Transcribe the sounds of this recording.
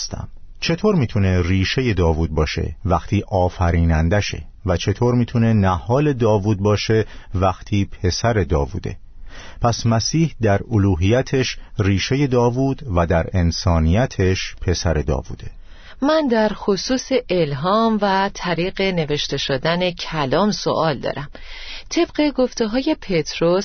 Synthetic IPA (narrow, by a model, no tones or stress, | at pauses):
st̪ʰæ̰m | t͡ʃʰe̞t̪ʰoːɾmiːt̪ʰune̞riːʃe̞je̞d̪ɒːvuːd̪̚bɒːʃḛvæxt̪ʰiːʔɒːfæɾiːnænd̪æʃe̞̰ | væt͡ʃʰe̞t̪ʰoːɾmiːt̪ʰune̞næhɒːle̞d̪ɒːvuːd̪̚bɒːʃe̞væxt̪ʰiːpʰe̞sæɾe̞d̪ɒːvṵːd̪e̞̰ | pʰæsmæsiːhd̪æɾoluːɦijæt̪ʰe̞ʃriːʃe̞je̞d̪ɒːvuːd̪̥væd̪æɾe̞nsɒːnijæt̪ʰeʃpʰe̞sæɾe̞d̪ɒ̰ːvṵːd̪̥e̞ | mænd̪æɾxosuːseʔelɦɒːmvæt̪ʰæɾiːɢe̞ne̞ve̞ʃt̪e̞ʃod̪æne̞cʰælɒːmso̞̰ʔɒːld̪ɒ̰ːɾæm | t̪ʰe̞b̥ɢe̞ɡo̞ft̪e̞ɦɒːje̞pʰet̪ʰɾos